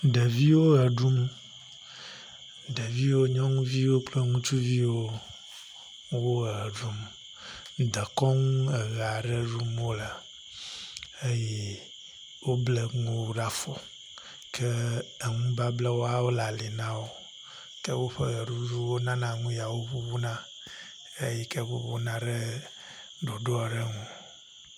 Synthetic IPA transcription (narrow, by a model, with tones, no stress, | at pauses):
ɖɛ˨vi˦wo˦ɣɛ˨ɖu˦m | ɖɛ˨vi˦wo˦ɲɔ̃˦ŋũ˦vi˦wo˦k͡plɛ˦ŋũ˦t͡ʃu˦vi˦wo˦ | wo˦˨ɣə˨ɖu˦m˨ | d̪ə˨kɔ˦ŋũ˦e˨ɣa˨ɖɛ˦ɖu˦mo˦lə˨ | e˦jɛ˦ | wo˦ble˨ŋũ˦ɖa˦fɔ˨ | kʰɛ˦e˨ŋũ˦ba˦blɛ˦wo˦a˦wo˦la˨li˨nã˦wo˦ | kɛ˦wo˦ɸɛ˦ɣə˨ɖu˦d͡ʒu˦wo˦nã˦nã˦ŋũ˦ja˨wo˦ɸu˦βu˦nã˦ | e˦jɛ˦kɛ˦wo̰˦βo˦nã˦ɖɛ˦ | ɖo˨ɖo˦a˨ɖe˦ŋũ˨